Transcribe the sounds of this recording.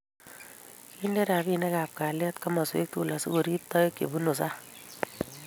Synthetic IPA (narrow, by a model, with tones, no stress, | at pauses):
i˦nde˦ɾa˨βi˦ne˦kaː˨p̚kaː˨lɛ˦t̪ka˦mɔ˨swḛ˦k̚t̪u˨la˨sɪ˦ɡo˨ɾi˦p̚t̪ɔ˦je˦kːḛ˨bu˦no˨sa˦